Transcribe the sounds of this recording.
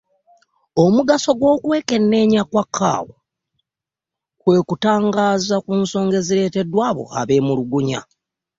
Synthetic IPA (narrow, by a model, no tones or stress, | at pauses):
o̞muɡaso̞ɡwo̞ːkwe̞ːke̞nːe̞ːɲakwakʰːa̰ːwo | kwe̞ːkutaːŋɡaːzakuːnso̞ːŋɡe̞ziɾe̞te̞dwaːβo̞̰a̰βe̞ːmuluɡuɲa̰